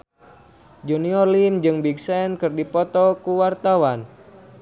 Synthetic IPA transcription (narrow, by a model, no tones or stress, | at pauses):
d͡ʒuniɔrlimd͡ʒɨŋbiɡsɛnkɨrdipɔt̪ɔkuwart̪awan